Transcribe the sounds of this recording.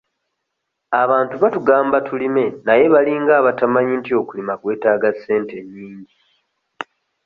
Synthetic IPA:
aβaːntuβatuɡaːmbatʰulime̞naje̞βaliŋɡaːβatamaɲintio̞kulimakwe̞ːtaːɡasːe̞ːnte̞ɲːiːɲɟi

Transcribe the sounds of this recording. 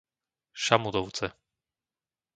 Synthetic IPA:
ʃamud̪ɔʊt͡sɛ

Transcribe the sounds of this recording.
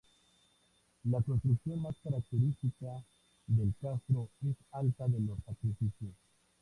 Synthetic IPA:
lapɾot̪ɾukθjonmaskaɾak̚t̪eɾist̪ika | ðelkast̪ɾoesalt̪aðelosak̪ifisos

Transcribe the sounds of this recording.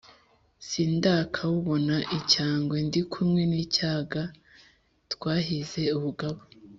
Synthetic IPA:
sindaːkʰawuβo̞naʔicaːŋɡwendikʰumŋe̞niːcaːɡa | tkwaːɦize̞uβuɡaβo

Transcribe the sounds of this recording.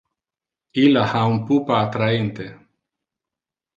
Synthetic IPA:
ilahaumpupaːt̪ɾaint̪e

